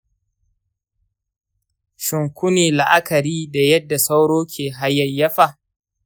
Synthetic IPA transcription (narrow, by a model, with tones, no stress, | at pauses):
ʃɪ˨ŋkʷʊ˦niː˨la˨ʔa˦kɐ˨ɾiː˦da˨jɐ˦dːa˨sa˦wɽoː˦kʲʰeː˨ɦa˦jːɐ˨jjɐ˦ɸa˦˨ʔ